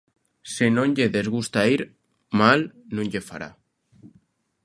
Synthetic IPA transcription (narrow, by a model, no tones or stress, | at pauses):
senõɲʎeðezɣust̪aiɾ | malnũɲʲʎefa̰ɾa̰